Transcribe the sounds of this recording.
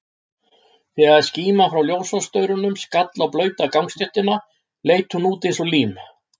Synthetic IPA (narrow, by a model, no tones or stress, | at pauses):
θɛɣaðsciːmafɾawljoːwsɔst̪œːɥɾʏnʏmskat̪lawplœːɥt̪akawŋst̪ɪht̪ɪna | lejt̪hunuːt̪ɪns̬ɔliːm